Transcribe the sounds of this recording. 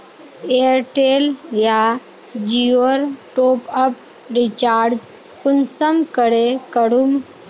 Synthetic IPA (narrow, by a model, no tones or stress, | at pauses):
eəɾʈeːlja | d͡ʒiəɾʈoːpəp | ɾit͡ʃaːɾd͡ʒ | kʊnsəmkəɽekəɽum